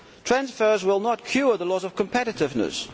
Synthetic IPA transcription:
tʰɹ̥ãnsfɜ˞zwɪlˠnətkʰj̥uðəlɔzəv̥kʰə̃mpʰɛɾɪtɪvnə̰s

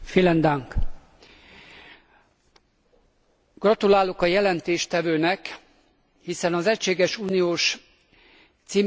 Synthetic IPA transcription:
filɛnd̪aŋk | ɡ̥rɒt̪ulaːlo̞kɒjɛlɛnt̪eːʃt̪ɛvøːnɛk | hisɛnɒzɛcʃeːɡɛʃuːnijoːʃ | t̪siː

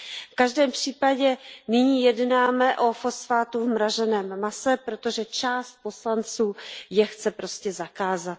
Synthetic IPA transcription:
fkaʒdɛːmpr̝̥iːpaɟɛnɪɲiːjɛdnaːmɛʔofosfaːt̪uvmɾaʒɛnɛːmmasɛpɾo̞t̪o̞ʒɛt͡ʃaːst̪̚po̞slant͡suːjɛxt͡sɛpɾo̞scɛzakaːzat̪̚

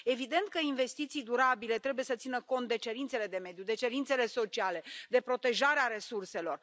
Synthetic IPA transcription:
e̞vid̪e̞nt̪̚kəinve̞st̪it̪sijd̪uɾabile̞t̪ɾe̞buje̞sət̪sinəko̞nt̪̚d̪e̞t͡ʃe̞ɾint̪se̞le̞d̪e̞me̞d̪jud̪e̞t͡ʃe̞ɾintse̞le̞so̞t͡ʃiale̞d̪e̞pɾo̞t̪e̞ʒaɾeaɾe̞surse̞lo̞r

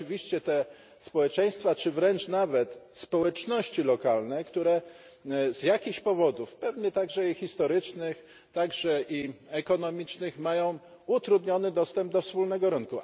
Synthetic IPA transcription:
vʲiɕt͡ɕɛt̪ɛ | spɔwɛt͡ʂɛj̃st̪fat͡ʂɘvɾɛnt͡ʂnavɛt̪spɔwɛt͡ʂnɔɕt͡ɕilɔkalnɛkt̪uɾɛ | zjakʲixɕpɔvɔd̪ufpɛvɲɛt̪aɡʐɛixʲist̪ɔɾɘt͡ʂnɘx | t̪aɡʐɛʔiɛkɔnɔmʲit͡ʂnɘxmajɔ̃w̃ | ut̪ɾud̪ɲɔnɘd̪ɔst̪ɛmb̚d̪ɔfspulnɛɡɔɾɘŋku

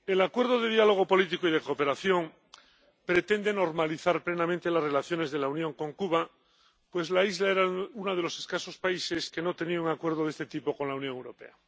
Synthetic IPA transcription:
e̞lakwe̞ɾðoðe̞ðjalo̞ɣ̞o̞po̞lit̪ikoiðe̞ko̞pe̞ɾaθjo̞ŋ | pɾe̞t̪e̞nd̪eno̞ɾmaliθaɾple̞namẽnt̪elazre̞laθjo̞ne̞zðe̞launjõ̞ŋko̞ŋkuβa | pwe̞zlaizlaeɾaunað̞e̞lo̞seskaso̞spaiseskeno̞t̪e̞niauŋakwe̞ɾð̞oðe̞st̪et̪ipo̞ko̞nlaunjõŋewɾo̞pe̞̰a

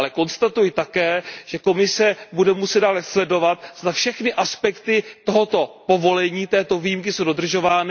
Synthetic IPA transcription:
lɛko̞nst̪at̪ujɪt̪akɛːʒ̥ɛko̞mɪsɛbudɛmusɛd̪daːlɛslɛdo̞vat̪̚zd̪afʃɛxnɪʔaspɛkt̪ɪt̪o̞ɦo̞t̪o̞po̞vo̞lɛɲiːt̪ɛːt̪o̞vijimkɪsowdo̞d̪r̩ʒo̞vaːnɪ

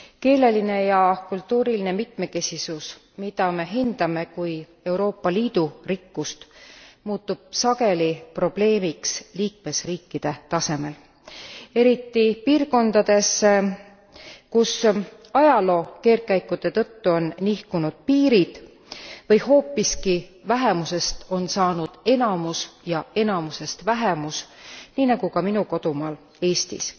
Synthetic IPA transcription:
ke̞ːle̞line̞jɑkult̪ːuːɾilinemit̪me̞ke̞sʲisus | mid̪̥ɑme̞ɦind̪̥ɑme̞kuj | e̞wɾo̞ːpːɑliːd̪̥urikːust̪muːt̪ːub̥̚sɑɡe̞lipro̞b̥le̞ːmiksliːk̚me̞sriːkːid̪̥e̞t̪ɑse̞me̞l | e̞ɾit̪ːipiːrko̞nd̪̥ɑd̪̥e̞s | kus | ɑjɑlo̞ːke̞ːrkæjkːˑut̪e̞t̪ɤt̪ːuo̞nːihkunud̪̥̚piːɾid̪̥ | vɤjho̞ːpːˑiskivæɦe̞muse̞st̪o̞nsɑːnud̪̥e̞nɑmusjɑe̞nɑmuse̞st̪væɦemusniːnɑɡ̥ukɑminuko̞d̪̥umɑːl | e̞ːst̪ḭs

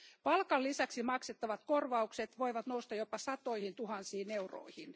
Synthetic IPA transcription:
pɑlkɑlːisæksimɑkset̪ːɑʋɑt̪korʋɑukset̪ʋoiʋɑt̪noust̪ɑjopɑsɑt̪oihint̪uhɑnsiːneuro̰ihin

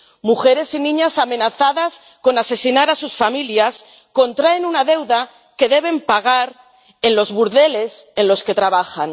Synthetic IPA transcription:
muxe̞ɾe̞sinĩɲasamẽ̞naθaðas | ko̞nase̞sinaɾasusfamiljas | ko̞nt̪ɾaenunaðe̞wða | ke̞ðe̞β̞e̞mpaɣ̞aɾ | e̞nlo̞zβuɾðe̞le̞se̞nlo̞ske̞t̪ɾaβ̞axan

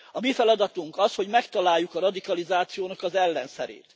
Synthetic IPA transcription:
ɒmifɛlɒd̪ɒt̪uŋkɒsho̞ɟmɛkt̪ɒlaːjːukɒrɒd̪ikɒlizaːt̪sijoːnɒkɒzɛlːɛnsɛ̰ɾḛːt̪

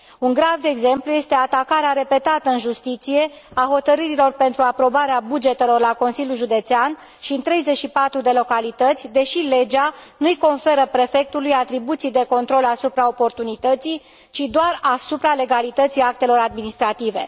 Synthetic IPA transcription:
uŋɡɾavd̪eeɡze̞mpluje̞st̪e̞at̪akaɾeaɾe̞pe̞t̪at̪əɨnʒust̪it̪sije̞aɦo̞t̪əɾɨɾilo̞rpe̞nt̪ɾuapɾo̞baɾeabud͡ʒe̞t̪e̞lo̞rlako̞nsilʲjulʒud̪e̞t̪sean | ʃint̪ɾe̞jze̞t͡ʃʃipat̪ɾud̪e̞lo̞kalit̪ət̪sʲd̪e̞ʃile̞d͡ʒanujko̞nfe̞ɾəpɾe̞fe̞k̚t̪ulujat̪ɾibut̪sijd̪e̞ko̞nt̪ɾo̞lasupɾao̞po̞rt̪unit̪ət̪sij | t͡ʃid̪oarasupɾale̞ɡalit̪ət̪sijak̚t̪e̞lo̞ɾad̪̚minist̪ɾat̪ive̞̰

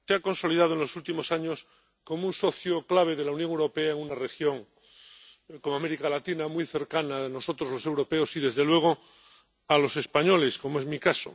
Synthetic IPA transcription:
seako̞nso̞lið̞að̞oenlo̞sult̪imo̞saɲos | ko̞mounso̞θjoklaβ̞e̞ð̞e̞launjõŋewɾo̞peaeŋunare̞xjõ̞ŋ | komoameɾikalat̪inamujθe̞ɾkanano̞sot̪ɾozlo̞se̞wɾo̞peosiðe̞zðe̞lwe̞ɣ̞o | alo̞se̞spaɲo̞lesko̞moe̞zmikaso̰

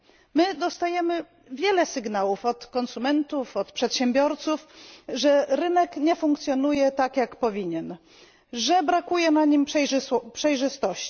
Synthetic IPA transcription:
mɘd̪ɔst̪ajɛmɘ | vʲjɛlɛsɘɡnawufɔt̪kɔnsumɛnt̪ufɔt̪pʂɛt̪ɕɛmbʲjɔɾt̪sufʐɛɾɘnɛkɲɛfuŋkt̪sʲjɔnujɛt̪akjakpɔvʲiɲɛn | ʐɛbɾakujɛnaɲimpʂɛjʐɘst̪ɔɕt͡ɕi̥

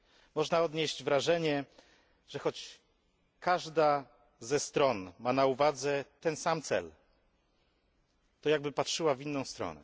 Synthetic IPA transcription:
mɔʐnaɔd̪ɲeʑd͡ʑvɾaʐɛɲɛ | ʐ̥ɛxɔt͡ɕ | kaʐd̪a | zɛst̪ɾɔnmanauvad̪zɛt̪ɛnsamt̪sɛ̰l | t̪ɔjaɡ̚bɘpatʂɘwavʲinːɔ̃w̃st̪ɾɔ̰nɛ̰

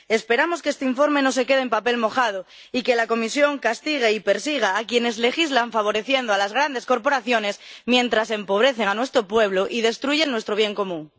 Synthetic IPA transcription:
e̞spe̞ɾamo̞skeest̪eiɱfo̞ɾmẽ̞no̞se̞ke̞ð̞empape̞lmo̞xað̞o | ike̞lako̞misjo̞ŋkast̪iɣ̞e̞ipe̞ɾsiɣ̞aːkje̞ne̞zle̞xizlaɱfaβ̞o̞ɾe̞θje̞nd̪oalazɣ̞ɾand̪e̞sko̞ɾpo̞ɾaθjo̞ne̞smjẽ̞nt̪ɾasempo̞β̞ɾe̞θe̞ŋanwe̞st̪ɾo̞pwe̞β̞loʔið̞e̞st̪ɾuʝenwe̞st̪ɾo̞β̞je̞ŋko̞mũŋ

